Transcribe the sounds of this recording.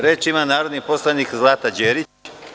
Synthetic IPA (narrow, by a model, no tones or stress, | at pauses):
ɾet͡ʃimanaːɾo̞d̪nipo̞slˠanikzlˠaːt̪ad͡ʑeːɾit͡ɕ